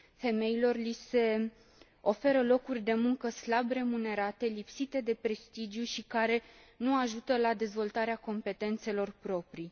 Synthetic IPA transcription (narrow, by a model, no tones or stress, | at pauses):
fe̞me̞ilo̞rlise̞ | o̞fe̞ɾəlo̞kurʲd̪e̞muŋkəslabre̞mune̞ɾat̪e̞lipsit̪e̞d̪e̞pɾe̞st̪id͡ʒjuʃikaɾe̞nuaʒut̪əlad̪e̞zvo̞lt̪aɾeako̞mpe̞t̪e̞nt̪se̞lo̞rpɾo̞pɾi